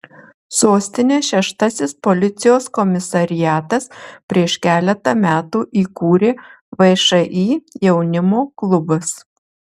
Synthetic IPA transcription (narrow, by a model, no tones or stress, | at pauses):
soːsʲt̪ʲɪnʲeːʃʲɛʃt̪ɐsʲɪspɔlʲɪt̪sʲɪjoːskɔmʲɪsɐɾʲɪjæːt̪ɐspʲɾʲiɛʃkʲæːlʲɛt̪ɐmʲæːt̪uːʔiːkuːɾʲeː | ʋɐɪʃɐʔiːjɛʊnʲɪmoːklˠʊbɐs